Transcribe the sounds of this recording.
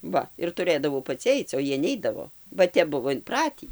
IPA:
ˈʋɐ ɪr tʊˈrɘdɐʋɐʊ pɐˈt͡sʲɪ ˈɐɪt͡s oː ˈjiɛ ˈnʲɛɪdɐʋoː bɐ ˈtʲɛp ˈbʊʋoː ɪnˈprɑːtʲiː

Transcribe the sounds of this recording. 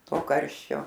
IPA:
ˈtoː ˈkɐrʲʃʲt͡ʃʲoː

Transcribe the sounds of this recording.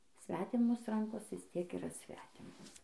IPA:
ˈsʲʋʲæːtʲɪmoːs ˈrɐŋkoːs ʋʲɪs tʲiɛk iːˈrɐ ˈsʲʋʲæːtʲɪmoːs

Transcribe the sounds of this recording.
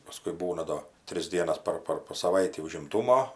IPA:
pɐˈskʊɪ ˈbuːnɐ ˈdoː ˈtʲrʲɪs ˈdʲiɛnɐs ˈpɐr ˈpɐr poː sɐˈʋɐɪtʲiː ʊʒʲɪmˈtuːmoː

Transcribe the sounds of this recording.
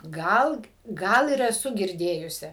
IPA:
ˈɡɐlˠ ˈɡɐlˠ ɪr ɛˈsʊ ɡʲɪrʲˈdʲeːjʊsʲɪ

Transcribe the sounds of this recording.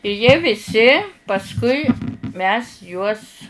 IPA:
ɪ jiɛ ʋʲɪˈsʲɪ pɐsˈkʊɪ mʲɛs juɔs

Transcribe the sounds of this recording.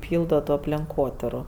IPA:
ˈpʲiːlˠdoː toː ɐpʲlʲɛŋˈkoːtʲɪrʊ

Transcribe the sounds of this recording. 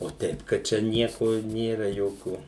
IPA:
oː ˈtʲɛɪp kɐt ˈt͡ʃʲɛ ˈnʲiɛkoː ˈnʲeːrɐ ˈjoːkʲuː

